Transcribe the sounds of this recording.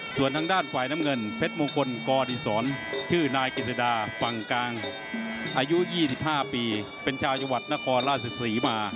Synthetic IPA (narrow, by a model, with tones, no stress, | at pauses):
su˨˩ənt̪ʰaː˧ŋdaː˥˩nfaː˨˩jna˦˥˩ŋɤ˧npʰe˦˥t̪̚moː˧ŋkʰo˧nkɔː˧niː˧sɔː˩˦nt͡ɕʰɯː˥˩naː˧jke˧˩sa˧daː˧fa˨˩ŋkaː˧ŋ | ʔaː˧ju˦˥jiː˥˩si˨˩p̚haː˥˩piː˧ | pe˧nt͡ɕʰaː˧wt͡ɕa˧ŋwa˨˩t̪̚na˦˥˩kʰɔː˧nlaː˥˩sa˧t̪ʰiː˩˦maː˧